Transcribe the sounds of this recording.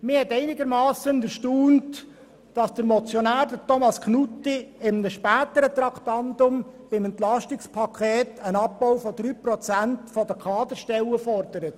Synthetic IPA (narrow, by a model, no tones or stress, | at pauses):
mɪhɛtɛɪnɪɡəɾmɑːsəndəɾʃtuːnt | d̥ɑsd̥əɾmɔt͡sjɔnæːɾd̪ətʰɔmɑskʰnutiɪmnəʃpæːt̪əɾət̪ɾɑktɑndʊmb̥ɪmɛnt̪lɑʃtɪkspʰɑkʰeːtənɑb̚bɔʊwfɔd̪ɾyːpɾɔt͡sæntfɔdəkʰɑːd̪əɾʃtɛləfɔrdəɾət